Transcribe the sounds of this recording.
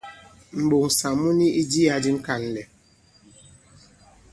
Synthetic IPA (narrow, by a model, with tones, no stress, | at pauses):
m̩˨ɓo˨ŋ̩˨sa˨mu˦ni˦ʔi˦di˦a˨di˦ŋ̩˦ka˨n̩˨lɛ˨